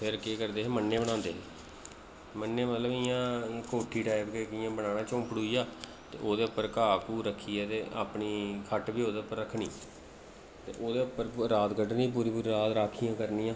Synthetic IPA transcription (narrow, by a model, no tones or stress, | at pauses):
pʰɪɾkeːkəɾd̪eːɦeːmənːeːbəɽ̃ãːnd̪eːɦeː | mənːeːmət̪ləbɪjãːkoːʈʰːiːʈaːɪpkeːkɪjãːbəɽãːɽãːt͡ʃõːpɽuːiːjaː | t̪ḛːʔoːd̪eːʊpːəɾkaːkuːɾəkʰːiːɛːt̪eːa̰ːpɳiːkʰəʈbiːoːd̪eːʊpːəɾːəkʰːnḭː | t̪ḛːʔoːd̪eːʊpːəɾɾaːt̪ɡəɖniːp̬uːɾiːpuːɾiːɾaːt̪ɾaːkʰiːãːkəɾnĩːãː